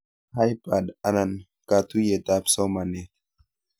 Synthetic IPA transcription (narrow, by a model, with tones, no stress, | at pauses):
ha˦jpa˨ɗa˨na˨n | ka˨t̪u˦je˨t̪a˦psɔ˦ma˨nɛ˨